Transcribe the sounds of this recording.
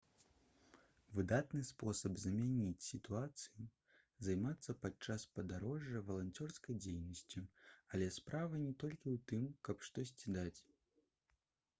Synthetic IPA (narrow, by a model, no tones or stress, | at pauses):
vɨd̪at̪nɨspɔsɐbzɐmʲanʲit͡sʲsʲit̪uat̪sɨji | zajmat̪sːɐpat͡ʂaspɐd̪aɾɔʐːɐvɐlˠanʲt͡sʲɔrskɐjd͡zʲejnɐsʲt͡sʲuɐlʲɛspɾʔavɐnʲɛt̪ɔlʲkʲiwt̪ɨmkɐpʂt̪ɔs̬ʲt͡sʲid̪at͡sʲ